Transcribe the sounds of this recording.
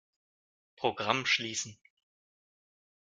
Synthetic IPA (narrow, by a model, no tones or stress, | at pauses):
pʁ̥oɡʁamʃliːsn̩